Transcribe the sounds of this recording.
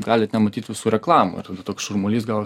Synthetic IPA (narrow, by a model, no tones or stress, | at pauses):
ɡɑːlʲɪt̪nʲɛmɐt̪ʲiːt̪ʋʲɪsuːɾʲɛklˠɑːmṵɪ̰rt̪ɐd̪ɐt̪oːksʃʊrmoːlʲiːst̪ɡɐlˠ